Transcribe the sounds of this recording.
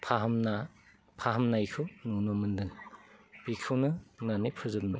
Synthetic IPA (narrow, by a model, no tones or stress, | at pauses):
pʰaɦmna | pʰaɦɐmnajkʰɯwnunɔmɯndɯŋbikʰɯwnɯnanipʰɯzɯp̚nɯ